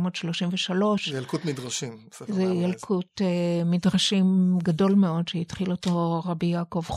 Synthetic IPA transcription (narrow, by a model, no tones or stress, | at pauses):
modʃloʃimveʃalo̞ʃjlkutmidʁaʃimszejalkʰutemidʁaʃimɡado̞lme̞o̞dʃeitχiloto̞ʁabijakovχ